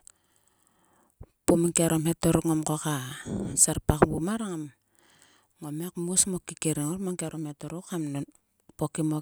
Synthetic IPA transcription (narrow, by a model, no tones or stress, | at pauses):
pumiŋkaɾomhetoɾukŋomkokasaɾpakbumaɾaŋam | ŋomekmusmokikeɾiŋoɾmaŋkeaɾomhetoɾukam | pokimo